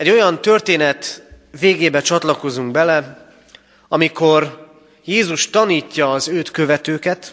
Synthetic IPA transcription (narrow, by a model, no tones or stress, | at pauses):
ɛɟːo̞jɒnt̪ø̞rt̪eːnɛt̪ | ʋeːɡeːbɛt͡ʃɒt̪lɒko̞zuŋɡ̚bɛlɛ | ɒmiko̞r | jeːzuʃt̪ɒniːcːɒːzøːt̪kø̞vɛt̪øːkɛt̪